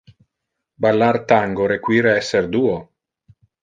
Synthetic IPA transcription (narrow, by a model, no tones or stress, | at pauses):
balːart̪aŋɡoɾekwiːɾeɛsːerd̪uːo